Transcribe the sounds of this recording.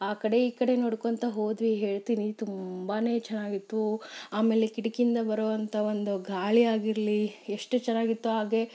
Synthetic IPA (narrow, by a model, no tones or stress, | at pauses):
aːkɐɽe̞iːkɐɽe̞noːɽkont̪ɐɦo̞ːd̪ʋiɦe̞ːɭt̪init̪umbaːne̞ːt͡ʃɛnːaːɡit̪ːuaːme̞ːlekiʈikind̪ɐbɐɾoːʋɐnt̪ʰɐo̞nd̪uɡʱaːɭiaːɡiɾlieʂʈɨt͡ʃɛnːaːɡit̪ːuɦaːɡe̞